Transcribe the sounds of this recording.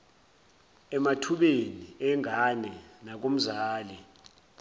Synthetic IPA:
ɛmatʰuɓeniɛŋʱanɛnak̬om̩zaːlɛ

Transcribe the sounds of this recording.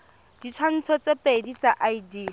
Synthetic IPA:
d̥it͡sʰwan̩t͡sʰɔt͡sepʼedit͡saʔaidi

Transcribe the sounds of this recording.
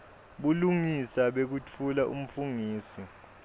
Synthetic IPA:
ɓuluŋisaɓek̬ut͡fʰulaʔṵm̩fuŋiːsi

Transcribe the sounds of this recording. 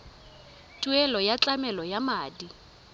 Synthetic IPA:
tʼuɛlɔjat͡ɬʼamɛlɔjamaːdi

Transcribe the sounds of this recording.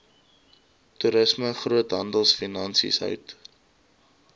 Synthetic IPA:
tuɾəsməχruətɦɐndəlˠsfinɐnsḭsɦœ̰ɥt

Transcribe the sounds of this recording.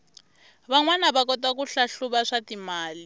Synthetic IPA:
βaŋwanaβakɔtwak̬uɬaɬuβaʂatimaːli

